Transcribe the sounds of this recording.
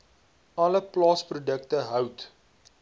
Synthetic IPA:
ɐləplɑːsprudəktəɦœwt

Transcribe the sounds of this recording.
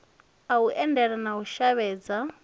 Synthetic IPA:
auʔɛndɛɺanauʃaβɛːd͡za

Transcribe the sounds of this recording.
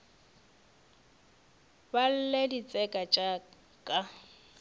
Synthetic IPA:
bal̩ledit͡sʼɛkʼat͡ʃʼa | kʼa

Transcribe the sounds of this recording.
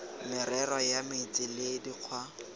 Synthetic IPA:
mɪrɛrɔjamɪit͡sʼɪlediq͡χʰwa

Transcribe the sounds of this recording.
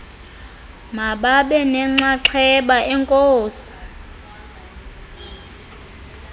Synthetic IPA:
maɓaɓɛnɛŋ͡ǁaǁʰɛɓaɛŋkʼoːsi̥

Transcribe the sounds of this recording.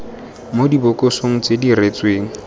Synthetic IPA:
modibʊkʼosoŋ̩t͡sediret͡sʼweːŋ̩

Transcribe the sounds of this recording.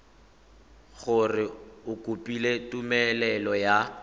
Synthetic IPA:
ɣʊrɪʊkʼupʼiletʼumɛlɛlɔja

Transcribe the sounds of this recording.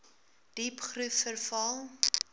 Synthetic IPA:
d̥ipχrufːərfɐlˠ

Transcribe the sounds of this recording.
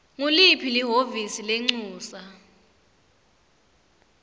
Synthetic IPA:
ŋulipʰiliɦovisileŋ͡ǀuːsa

